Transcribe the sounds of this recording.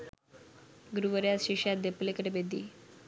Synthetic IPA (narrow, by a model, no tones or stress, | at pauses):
ɡɾuʋəɾjasɕiɕjat̪̚d̪eplekəɾebed̪ḭː